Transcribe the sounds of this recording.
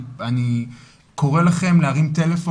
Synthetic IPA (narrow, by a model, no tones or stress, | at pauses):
ani | ko̞ʁe̞laχe̞mleaʁimt̪e̞le̞fo